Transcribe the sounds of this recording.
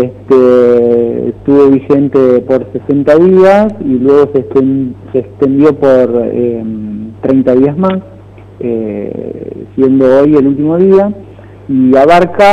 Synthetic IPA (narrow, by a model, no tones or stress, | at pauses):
est̪ḛ | st̪uβo̞βixe̞nt̪epoɾsesent̪aðiasilwe̞ɣ̞o̞set̪enseːkst̪e̞nd̪jo̞poɾḛmt̪ɾe̞jnt̪aðiazmas | e | sje̞nd̪o̞ojelult̪̬imo̞ðia | iaβaɾka